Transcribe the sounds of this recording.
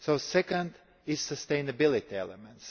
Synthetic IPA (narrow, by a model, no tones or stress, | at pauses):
soʊsɛkãnd̪ | ɪz̥səst̪eɪnəbilˠit̪iɛ̰lɛmɛ̃nt̪s